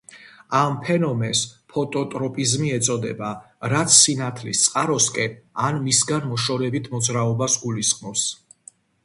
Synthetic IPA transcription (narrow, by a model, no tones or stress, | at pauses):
ampʰɛnɔmɛnspʰɔt̪ʼɔt̪ʼɾɔpʼizmiɛt̪sʼɔd̪ɛ̰baɾat̪sʰːinat̪ʰlist̪sʼqʼaɾɔskʼɛnanmisɡanmɔʃɔɾɛbit̪ʰmɔd̪zɾaɔbasɡulisχmɔps